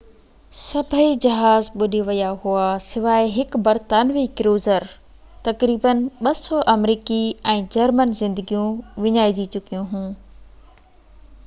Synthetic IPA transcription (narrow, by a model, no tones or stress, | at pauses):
sɐbʱəed͡ʑɐɦaːzɓʊɗiʋɐjaɦuasɪʋaːɪɦɪkbɐɾt̪aːnʋikɪɾoːzəɾ | t̪ɐkɾiːbənɪɓɐsɔʔɐmɾiːkiɛ̃ːd͡ʑɐɾmənzɪ̃nd̪əɡijũʋɪɲaːɪd͡ʑit͡ɕʊkijũɦũː